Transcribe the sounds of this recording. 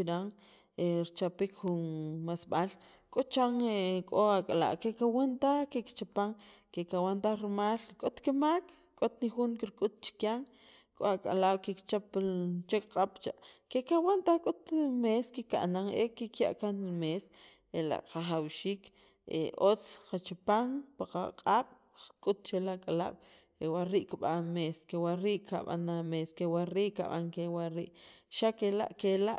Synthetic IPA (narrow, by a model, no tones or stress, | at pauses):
t͡ʃiɾaŋ | eɾt͡ʃapikxunmasɓal | kʼot͡ʃaŋekʼoakʼala̰ʔkekawant̪akekt͡ʃapaŋkekawant̪aɾimaːlkʼot̪kemak | kʼot̪nixuŋkiɾkʼut̪̚t͡ʃi̥kjaŋkʼoakʼa̰lawkikt͡ʃapt͡ʃekqʼaɓ̥t͡ʃaʔkekawant̪akʼut̪meskika̰ʔnaŋekikja̰ʔkanlmes | ela̰ʔɾaχawʃiːk | ḛot͡sqat͡ʃipaŋpaqaqʼaɓ̥ | qkʼut̪̚t͡ʃelakʼala̰ɓ̥ | ewaɾiʔkiɓanmeskewaɾiʔka̰ɓa̰nameskewaɾiːʔka̰ɓaŋkewaɾḭːʔʃakela̰ʔkelaʔ